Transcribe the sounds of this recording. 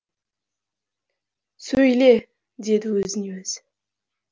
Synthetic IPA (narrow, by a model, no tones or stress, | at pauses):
sɵjle | d̪e̞d̪ɪwɵzɪnewɵz̥